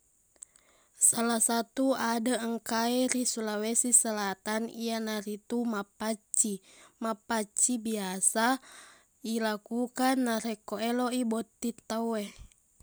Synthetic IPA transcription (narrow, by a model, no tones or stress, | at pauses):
salahsat̪uadəəŋkaɛɾisulawesisəlat̪anḭjanaɾit̪umapat͡ʃi | mapat͡ʃibiasa | ilakukanːaɾɛkoɛloibɔt̪ːit̪awɛ